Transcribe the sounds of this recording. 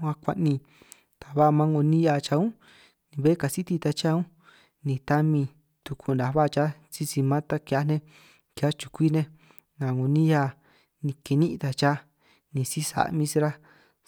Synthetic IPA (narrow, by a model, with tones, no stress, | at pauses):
ã˧kʷa̰˧ʔnĩ˧ | t̪a˨βa˦˧mã˦ŋo˧nĩ˦ja˧˨t͡ʃa˧ũ˦ | nĩ˧βe˦ka˨si˦t̪i˧t̪a˧t͡ʃa˦ũ˦ | nĩ˧t̪a˦mĩ˧ | t̪u˧kʰu˧˨na˨βa˦˧t͡ʃa˦ | t͡si˧t͡si˧mã˦t̪a˦kja˧˦nẽ˦ | ka˦t͡ʃu̥˧kʷi˦nẽ˧ | nã˨ŋõ˧nĩ˦ja˧ | nĩ˧ke˧nĩ˦˧t̪a˨t͡ʃa˦ | nĩ˧si˦sa̰˨˧mĩ˦si˧ɾa˦